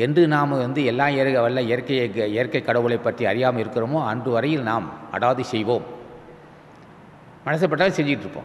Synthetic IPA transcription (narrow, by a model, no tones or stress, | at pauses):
ɛndrɯnaːmʋɐnd̪ɯɛlːãːeːɾɯɣɐʋɐlːɐɪjɐɾkːɐɪjɐɪjɐɾkɐɪkːɐɽɐʋɯɭɐɪpːɐʈriɐɾɪjaːmɐɪɾɯkːɪroːmoːɐndrɯʋɐɾɐjɪlnaːmɐ̰ɽaːðɯsɛjʋoːm | mɐnɐs̬ɐpːɐʈːaːlsɛɲd͡ʒɪkɪʈːɾɯpːõ̰ː